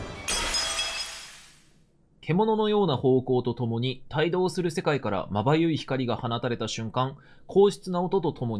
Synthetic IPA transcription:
kʰe̞mo̞no̞no̞jo̞ːnaho̞ːko̞ːt̪o̞t̪o̞mo̞ɲ̟it̪aid̪o̞ːsɨɾɯ̟se̞kaikaɾa̰mabajɯ̟içi̥kaɾʲiɡahanat̪aɾe̞t̪aɕɨ̃ŋkãŋ | kʰo̞ːɕi̥t͡sɨnao̞t̪o̞t̪o̞t̪o̞mo̞ɲi

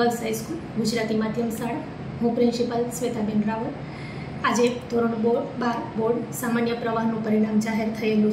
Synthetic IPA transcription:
əlsɦajskulɡʊd͡ʒɾat̪imad̪ʱjəmsaɭ | ɦũpɾɪnsipəlsʋet̪abinɾaʋəɾ | ad͡ʒed̪ʱoɾəɳ̃ũbobaɾboɾɖsamanjəpɾəʋaɦnũpəɾiɽ̃amd͡ʒaɦeɾt̪ʰəelũ

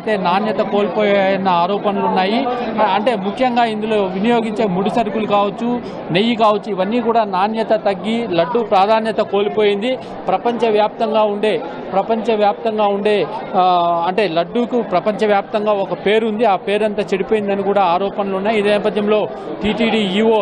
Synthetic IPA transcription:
t̪e̞ːnaːnjɐt̪ɐko̞ːlipoːjaːjɐnɐaːɾɔːpɐnɐlunːaːjiɐɳʈe̞ːmukʰjɐŋɡaːind̪ulo̞ːʋinijo̞ːɡiɲt͡ʃe̞ːmuɽusɐɾkulukaːʋɐt͡ʃːu | nejikaːʋɐt͡ʃːuiʋɐnːiːkuːɽaːnaːnjɐt̪ɐt̪ɐɡːilɐɖːupɾaːd̪ʱaːnjɐt̪ɐko̞ːlipo̞ːjind̪i | pɾɐpɐɲt͡ʃɐʋjaːp̚t̪ɐŋɡaːuɳɖe̞ː | pɾɐpɐɲt͡ʃɐʋjaːp̚t̪ɐŋɡaːuɳɖe̞ː | ɐɳʈe̞ːlɐɖːukupɾɐpɐɲt͡ʃɐʋjaːp̚t̪ɐŋɡaːɔkɐpe̞ːɾund̪iaːpe̞ːɾɐnt̪ɐt͡ʃeɽipoːjind̪ɐnikuːɽaːaːɾɔːpɐnɐlunːaːjiid̪eːnɛːp̬ɐd̪ʱjɐmlo̞ː | ʈiːʈiːɽiːiːoː

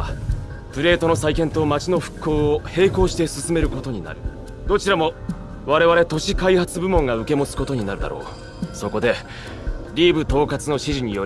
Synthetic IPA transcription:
pɯ̟ɾe̞ːt̪o̞no̞saikẽ̞nt̪o̞mat͡ɕino̞ɸɯ̟̥kʰːo̞ːohe̞ːko̞ːɕi̥t̪e̞sɨsɨme̞ɾɯ̟ko̞t̪o̞ɲ̟ina̰ɾɯ̟ | d̪̥o̞t͡ɕiɾamo̞ | βaɾe̞βaɾe̞t̪o̞ɕikaihat͡sɨbɯ̟mõ̞ŋɡaɯ̟ke̞mo̞t͡sɨ̥ko̞t̪oɲ̟ina̰ɾɯ̟d̪a̰ɾo̞̰ː | so̞ko̞d̪e̞ | ɾʲiːbɯ̟t̪o̞ːkat͡sɨno̞ɕiʑiɲ̟ijo̞

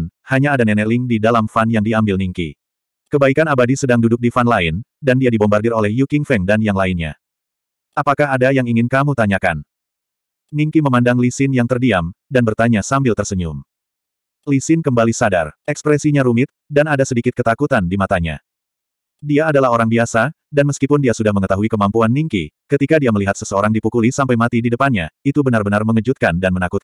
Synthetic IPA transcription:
nhaɲaːdanɛnɛlɪŋdidalamfanjaŋdiambɪlniŋkḭ | kəbaikanabadisədaŋdudʊk̚difanlaɪndandiadibɔmbardɪrolɛhjukɪŋfɛŋdanjaŋlaɪnɲa̰ | ʔapakaɦadajaŋiŋɪnkamut̪aɲaka̰n | niŋkiməmandaŋlisɪnjaŋt̪ərdiamdanbərt̪aɲasambɪlt̪ərsəɲṵm | lisɪnkəmbalisada̰rɛkspɾɛsiɲaɾumɪt̪̚danadasədikɪt̪̚kət̪akut̪andimat̪aɲa̰ | diaːdalaɦoɾaŋbiasa | danməskipʊndiasudahməŋət̪aɦuikəmampuanmiŋkikət̪ikadiaməliɦat̪səsəoɾaŋdipukulisampajmat̪ididəpanɲa̰it̪ubənarbənarməŋəd͡ʒut̪̚kandanmənakʊt̪̚

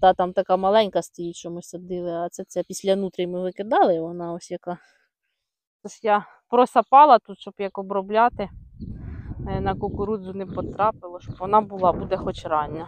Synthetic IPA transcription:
d̪̥ɑt̪ɑmt̪ɐkɑmɐlˠɛnʲkɐst̪ɐjit͡ʃɔmʊsʲsʲɐd̪ɪlˠɪɐt̪sɛt̪sɛpʲisʲlʲɐnut̪ɾʲɪjmɪʋɪkɪd̪ɑlˠɪʋɔnɑɔsʲjɐkɑ | t̪ɔsja | pɾɔsɐpɑlˠɐt̪ut̪ʃɔbjɐkɔbɾɔblʲɑt̪ɪ | nɐkɔkʊɾud̪zʊnɪpɔt̪ɾɑpɪlˠɔʃɔbʋɔnɑbʊlˠɑbud̪ɛxɔt͡ʃɾɑnʲːɐ

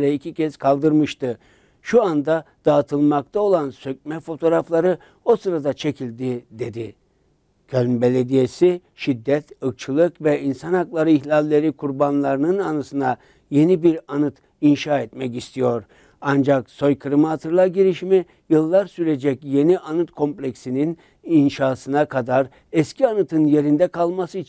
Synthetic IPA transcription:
ɾɛicʰicʰɛzkʰalˠd̪ɯɾmɯʃt̪ɯ | ʃuand̪ad̪̥aːt̪ʰɯlˠmak̚t̪ʰao̞lˠansøc̚mɛfo̞t̪ʰo̞ɾaflˠaɾɯ | o̞sɯɾad̪at͡ʃʰe̞cʰilʲd̪id̪e̞d̪i | kʰølʲmbe̞lʲe̞d̪ije̞si | ʃid̪ːɛt̪ɯk̚t͡ʃʰɯlˠɯkvɛinsanaklˠaɾɯiçlʲalʲːe̞ɾikʰuɾbanlˠaɾɯnɯnanɯsɯna | je̞nibiɾanɯt̪ | inʃaːɛt̪mɛc̬ist̪ʰijo̞ɾ | and͡ʒakso̞jkʰɯɾɯmaɦat̪ʰɯɾlˠaɟiɾiʃimi | jɯlˠːaɾsyɾe̞d͡ʒɛcje̞niʔanɯt̪kʰo̞mplʲecsinin | inʃaːsɯnakʰad̪aɾ | ɛscʰianɯt̪ʰɯnje̞ɾind̪ɛkʰalˠmasɯit͡ʃʰin

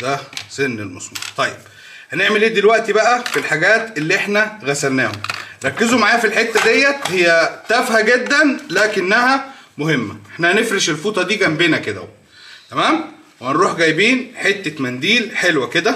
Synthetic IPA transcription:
d̪æsenːelmɑ̰smṵːt̪ˤɑjːeb̥ | hæneʕmelʔeːd̪ilwæʔt̪ibæʔæfilħaɡæːt̪elːiʔeħnæɣæsælnæːho̰mɾˤɑkːezomaʕaːjæfilħet̪ːæd̪ejːæt̪hejːæt̪æfhæɡed̪ːænlæːkenːæhæmohemːæ̰ʔeħnæhænefɾeʃelfuːt̪ˤɑd̪iːɡæmbeːnæked̪æ̰w | t̪æmæːm | wehænɾuːħɡæjbiːnħet̪ːet̪mænd̪iːlħelwæked̪æ

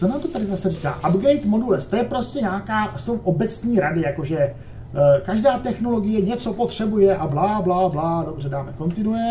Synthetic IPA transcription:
sɛnaːmt̪ot̪adɪzasɛriːka̰ːʔabɡɛjt̪mo̞dulɛst̪ojɛpɾo̞scʲɛɲaːkaːsowʔo̞bɛt͡sɲiːɾadɪjako̞ʒɛ | kaʒdaːt̪ɛxno̞lo̞ɡɪjɛɲɛt͡so̞pot̪r̝̥ɛbujɛʔablaːblaːblaːdo̞br̝ɛdaːmɛko̞nt̪ɪnujɛ

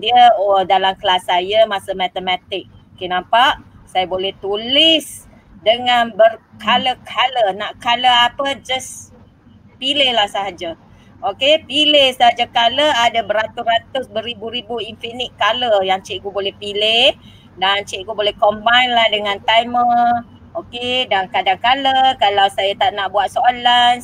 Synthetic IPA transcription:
diəodalamkəlasajəmãsəmɛt̪əmat̪ɪk̚ | okenãmpaʔsajabolɛht̪ulɪs | dəŋanbərkʰaləkʰalənaʔkaləapəd͡ʒas | pilehlahsaɦad͡ʒa | ʔokepilehsaɦad͡ʒakaləadabəɾat̪uat̪ʊsbəɾibuɾibuinfinɪʔ̪̚kaləjaŋt͡ʃiʔɡubolɛhpileh | daŋt͡ʃɛʔɡubolɛhkombajnlahdəŋãnt̪ajmə | okedaŋkadaŋkaləkalawsajat̪aʔnaʔbuat̪̚soalan

